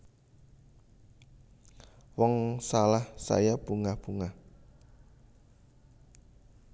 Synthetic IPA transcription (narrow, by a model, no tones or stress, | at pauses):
wɔŋsalahsa̰jab̥uŋahb̥uŋah